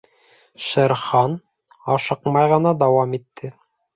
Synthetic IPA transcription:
ʃɘ̆ɾχɑn | ɑʃɤqmɑjʁɤ̆nɑd̪ɑwɑmit̪ːɘ

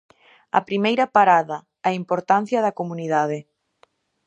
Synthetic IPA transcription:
ɐ̰pɾimejɾɐpaɾaðɐː | impoɾt̪an̟θjɐðɐkomuniðaðɪ

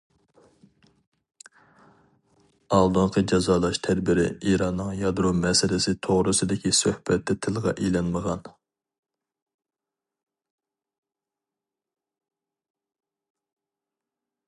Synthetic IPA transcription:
ɑlˠd̪oɴqʰəd͡ʒɑzɑːlˠɑʃt̪ʰæd̪bɪɾɪ̰iɾɑnːɨŋjɑd̪ɾomɛsɪlɪsɪt̪ʰoʁɾɨsɨd̪ɪkʲisøhbɛt̪ʰːɛt̪ʰɪlˠʁɑ̰ʔelɛnməʁɑn

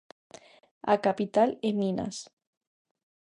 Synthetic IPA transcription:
a̰kapit̪alemina̰s

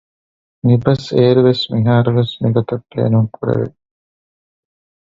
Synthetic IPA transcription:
nibɐseːɾuʋesmiɦaːɾuʋesmiɡɔt̪ɐpːḛːnuŋkuɾḛʋḛ

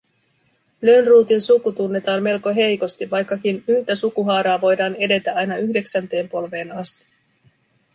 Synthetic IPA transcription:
lønruːt̪insukːut̪unːe̞t̪ɑːmme̞lko̞ɦe̞jko̞st̪iʋʋɑjkːɑk̟inylt̪æsukuɦɑːɾɑːʋo̞jdɑːne̞de̞t̪æɑjnɑyçde̞ksænt̪e̞ːmpo̞lʋe̞ːnɑst̪i̥

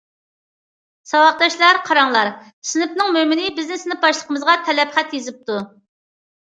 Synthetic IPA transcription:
sɑwɑq̚d̪ɑʃlˠɑɾqʰɑɾɑŋlˠɑɾ | sɨnɪpnɨŋmømɪnɪbɪznɪsɪnɪbɑʃlˠəqəmɨzʁɑt̪ʰɛlɛpχæt̪jezɪp̚t̪ʰu

